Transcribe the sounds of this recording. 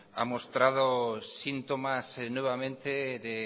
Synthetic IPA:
a̰most̪ɾaðosint̪omasnweβamẽnt̪eðe

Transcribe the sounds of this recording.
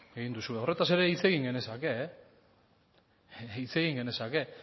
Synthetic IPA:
e̞ɣind̪usue̞o̞re̞t̪ase̞ɾe̞it͡se̞ɣiŋɡe̞ne̞sake̞ | it͡se̞ɣiŋɡe̞ne̞sake

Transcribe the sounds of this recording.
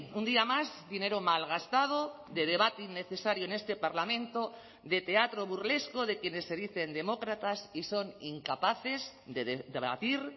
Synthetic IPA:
und̪iamazd̪ine̞ɾomalɣ̞ast̪að̞o | ðe̞ð̞e̞βat̪einːe̞θe̞saɾjoene̞st̪epaɾlamẽnt̪o | ðe̞t̪e̞at̪ɾoβuɾle̞skoðekje̞ne̞sːe̞ðiθe̞nd̪e̞mokɾat̪asiso̞niŋkapaθe̞zðeðd̪eβa̰t̪iɾ

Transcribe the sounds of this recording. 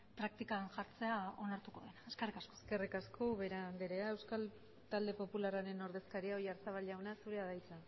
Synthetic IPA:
pɾak̚t̪ikanʝaɾt͡se̞ao̞naɾt̪uko̞̰ðenaeskerikaskoske̞rikaskoβeɾand̪eɾeae̞wskal | t̪ald̪e̞po̞pularaɾe̞no̞ɾðe̞skaɾiaojaɾt͡saβalʝawnasuɾe̞aðajt͡sa

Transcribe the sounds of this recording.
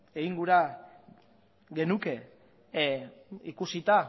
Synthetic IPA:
eiŋɡuɾa | ɡe̞nuke̞ | ikusit̪a

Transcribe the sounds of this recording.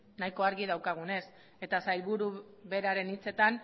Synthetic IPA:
najko̞aɾɣið̞awkaɣ̞une̞s | e̞t̪asajlβuɾuβe̞ɾaɾe̞nit͡se̞t̪an

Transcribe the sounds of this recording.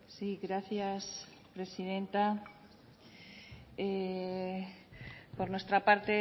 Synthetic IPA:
siɣɾaθjas | pɾe̞sið̞e̞nt̪a | e | po̞ɾnwest̪ɾapaɾt̪e

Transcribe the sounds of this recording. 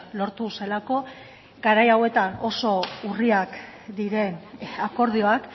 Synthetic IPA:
lo̞ɾt̪use̞lako̞ | ɡaɾajawe̞t̪ano̞so̞uriak | d̪iɾe̞nako̞ɾðio̞ak

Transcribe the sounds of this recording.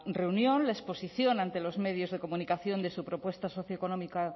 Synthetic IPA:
re̞unjõ̞nlaespo̞siθjo̞nãnt̪e̞lo̞zme̞ðjo̞zðe̞ko̞munikaθjo̞nd̪e̞supɾo̞pwe̞st̪aso̞θjoekono̞mika

